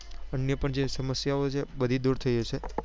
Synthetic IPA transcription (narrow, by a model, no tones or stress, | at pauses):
ənjəpəɳd͡ʒesəməsjaot͡ʃʰebəd̪ʱid̪uɾt̪ʰəjet͡ʃʰe